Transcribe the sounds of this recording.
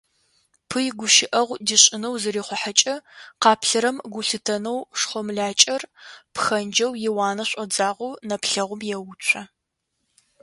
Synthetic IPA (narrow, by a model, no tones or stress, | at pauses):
pʰɨjɡʷʊʃɪʔɐʁʷdiɕʼɪnɐwzɨriːχʷɔħat͡ʃʼɐqɑːpʰɬɐɾɐmɡʷʊɬɨtʰɐnɐwʂχʷɔmɮaːt͡ʃʼɐrpxɐnd͡ʒɐwjɪwɑːnɐɕʷʼɐd͡zaːʁʷuwnɐpɬɐʁʷʊmjɛwʊt͡ʃʷʰɐ